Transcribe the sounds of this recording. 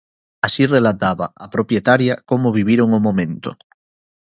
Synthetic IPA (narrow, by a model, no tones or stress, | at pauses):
asirelat̪aβaapɾopjet̪aɾjakomoβiβ̞iɾoŋomõmẽnt̪o̰